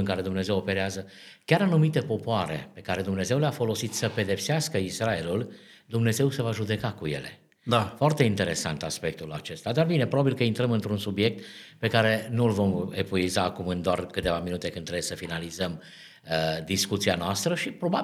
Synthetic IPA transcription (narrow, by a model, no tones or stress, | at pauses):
ɨŋkaɾe̞d̪umne̞ze̞wope̞ɾeazə | kʲaɾanumit̪e̞po̞poaɾe̞̰pe̞kaɾe̞d̪umne̞ze̞wleafo̞lo̞sit̪səpe̞d̪e̞pseaskəisɾae̞lul | d̪umne̞ze̞wse̞vaʒud̪e̞kakuje̞̰le̞̰ | d̪afoart̪e̞int̪e̞ɾe̞sa̰nt̪aspe̞k̚t̪ulat͡ʃe̞st̪ad̪arbine̞pɾobabilkəint̪ɾəmɨnt̪ɾunsubie̞k̚t̪pe̞kaɾe̞nulvo̞mepuizaːkumɨnd̪oarkɨt̪e̞vaminut̪e̞kɨnɾebsəfinalizəm | əd̪iskut̪sianoast̪ɾəʃipɾo̞ba